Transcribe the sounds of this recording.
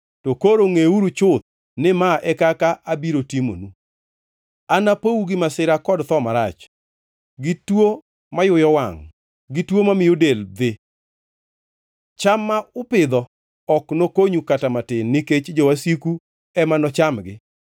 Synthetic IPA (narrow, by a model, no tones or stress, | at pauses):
tokoɾoŋeuɾut͡ʃʊt̪̚ | nɪmaʔɛkakaʔabiɾotimo̰nu | anapouɡɪmasɪɾakɔdt̪ɔmaɾat͡ʃ | ɡɪtwo | majʊjɔwaŋ | ɡɪtwomamɪjodeld̪ɪ | t͡ʃamːaʊpɪd̪ɔ | ɔknokoɲukatamatɪnːɪket͡ʃd͡ʒowasiku | ɛmanɔt͡ʃamɡɪ